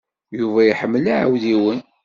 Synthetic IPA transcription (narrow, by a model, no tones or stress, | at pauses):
juvæjiħəmːəlaʕə̰wðiwən